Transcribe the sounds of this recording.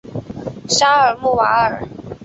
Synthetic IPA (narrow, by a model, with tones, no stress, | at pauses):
ʂa˥ə˨˩mu˥˩wa˧˥ə˨˩